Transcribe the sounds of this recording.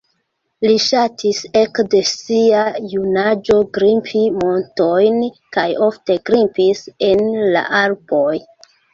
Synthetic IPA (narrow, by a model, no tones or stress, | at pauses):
liʃatʰisekde̞siajunad͡ʒo̞ɡɾimpʰimo̞nto̞jnkajo̞fte̞ɡɾimpise̞nla̰ʔalpo̞j